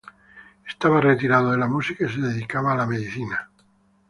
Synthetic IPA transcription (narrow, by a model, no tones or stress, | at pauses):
est̪aβaret̪iɾaðoðelamusikais̬e̞ðe̞ðikaβaːlame̞ðiθina